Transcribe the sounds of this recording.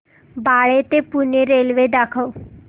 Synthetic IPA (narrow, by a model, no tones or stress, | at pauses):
baɭet̪epuneɾelʋed̪akʰəw